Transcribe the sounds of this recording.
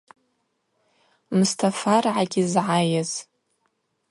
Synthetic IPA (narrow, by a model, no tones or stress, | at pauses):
mustʰafarʕaɡʲizʕajaz̥